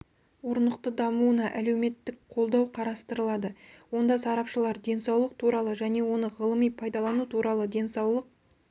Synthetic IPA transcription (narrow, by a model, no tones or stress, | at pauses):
wo̞ɾənəqt̪əd̪ɑmuənɑʔælewme̞t̪ːɪkqʰo̞lˠd̪ɑwqʰɑɾɑst̪əɾəlˠɑd̪əwo̞nd̪ɑsɑɾɑpʃəlˠɑɾd̪e̞nsɑwlˠəq̚t̪ʰuɾɑlˠəʒæne̞wo̞nəʁəlˠəmijpʰɑjd̪ɑlˠɑnut̪ʰuɾʔɑlˠəd̪e̞nsɑwlˠəq̚